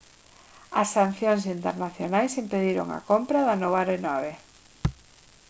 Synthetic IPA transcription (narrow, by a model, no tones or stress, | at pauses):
ɐsːan̟θjoŋs̬int̪eɾnaθjonajsimpeðiɾo̰ŋa̰kompɾaðanoβaɾenɔβe